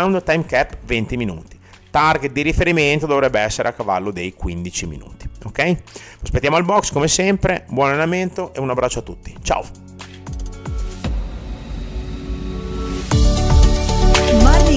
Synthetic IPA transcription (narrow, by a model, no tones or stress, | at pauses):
wnd̪t̪ajmkɛpːvent̪iminṵːt̪i̥ | t̪arɡet̪̚d̪iɾifeɾiment̪od̪ovɾɛbːeɛsːeɾeakːava̰lːod̪ejkwind̪it͡ʃimḭnṵːt̪i̥okɛjpɾospet̪ːjamoalbɔkskomesɛmpɾebwɔnalenament̪oʔeunabːɾat͡ʃːoat̪ːut̪ːi̥t͡ʃa̰o | maɾi